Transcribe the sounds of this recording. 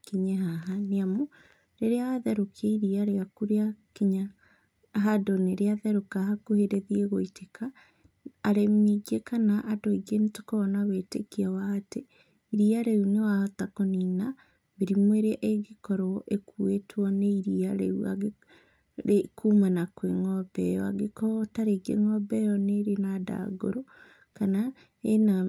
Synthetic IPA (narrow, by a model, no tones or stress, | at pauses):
kiɲɛɦaɦaneamu | ɾeɾeaðɛɾokʰeiɾiaɾeakuɾeakiɲa | ɦadoneɾeaðɛɾokaɦakuheɾeðieɣoitekʰaː | ɾemiɡekanaʔadoiɡenitokɔɔnaβetekiawaːte | iɾiaɾɛunewahotakonina | βeɾimweɾeaʔeɡekɔɾɔʔekuetwɔneiɾiaɾɛua̰ɡe | ɾekʰumanakweŋɔbɛjɔaɣekɔtaɾeɡḛŋɔbɛjɔneɾenada̰ɡo̰ɾo | kana | ena